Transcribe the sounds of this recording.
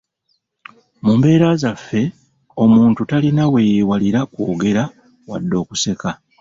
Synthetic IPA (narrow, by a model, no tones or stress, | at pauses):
mumbe̞ːɾazafːe̞ | o̞muːntutalinawe̞jiwaliɾakwo̞ːɡe̞ɾa | wa̰dːo̞ːku̥se̞ka